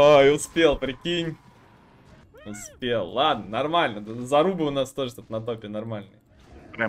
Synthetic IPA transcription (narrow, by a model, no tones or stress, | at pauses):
ojʊspʲe̞lˠpɾʲɪkʲinʲ | ʊspʲelˠlˠad̪nənɐrmalʲnəd̪zɐɾubɨʊnast̪o̞ʐət̪ot̪nɐt̪̬opʲɪənɐrmalʲnɨ̰jə | pɾʲa